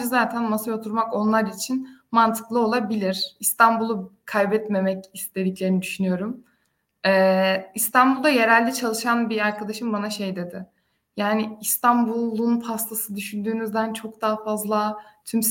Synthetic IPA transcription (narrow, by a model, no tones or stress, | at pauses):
ɯzaːt̪ʰænmasajo̞t̪ʰuɾmako̞nlˠaɾit͡ʃʰinmant̪ʰɯ̥klˠɯo̞lˠabilʲiɾ̥ist̪ʰanbulˠukʰajbɛt̪me̞mɛcist̪ʰe̞d̪iclʲe̞ɾinid̪yʃynyjo̞ɾum | ɛːist̪ʰanbulˠd̪aje̞ɾælʲd̪ɛt͡ʃʰalˠɯʃanbiaɾkʰad̪aʃɯmbanaʃejd̪e̞d̪ɪ | jaːnɪist̪ʰanbulˠunpʰast̪ʰasɯd̪yʃynd̪yːnyzd̪ænt͡ʃʰo̞kd̪aːafazlˠat̪ʰyms